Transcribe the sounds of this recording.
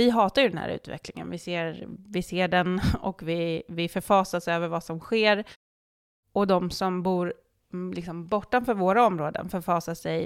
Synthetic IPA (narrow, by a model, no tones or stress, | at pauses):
vɪɦɑːt̪aɾjɵd̪ɛnhæ̰ːɾʔʉ̟̰ːt̪vɛ̰klɪŋə̰nvɪseːɾvɪseːɖɛnɔ̰kvɪvɪfœɾfɑːsasøːvəɾvasɔmɧeːɾ | ɔd̪ɔmsɔmbuːɾ | lɪksɔmbɔʈːanfœːɾvoːɾaɔmɾoːd̪ə̰nfœɾfɑːsasɛj